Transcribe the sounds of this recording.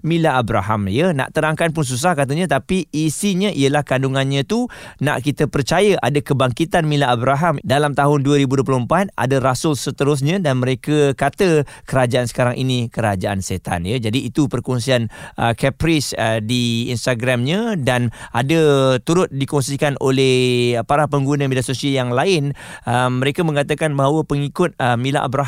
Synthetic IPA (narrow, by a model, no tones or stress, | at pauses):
mĩlaʔːbɾa̰ɦamjənã̰ʔt̪əɾaŋkanpʊns̬us̬ahkat̪̬əɲãt̪apiːsiɲə̃ʔiəlahkanduŋanɲãt̪una̰ʔkit̪əpərt͡ʃajaʔadakəbaŋkit̪anmilaːbɾaɦamdalamt̪aɦʊnduəɾibuduəp̬luəmpat̪̚a̰dəɾasʊlsət̪əɾʊs̬ɲãdanmə̃ɾekəkat̪əkəɾad͡ʒaʔansə̥kaɾaŋʔinĩkəɾad͡ʒaʔanset̪a̰njad͡ʒadiːt̪upərkɔŋsianʔəkɛpɾisədiḭnst̪aɡɾamɲãdanʔadət̪uɾʊt̪̚dikɔŋsikanʔolɛhpaɾahpəŋɡunãmidasosiajaŋlaɪnəmːə̃ɾekamə̃ŋat̪akanbaɦawəpəŋikʊt̪̚əmĩla̰ʔa̰bɾa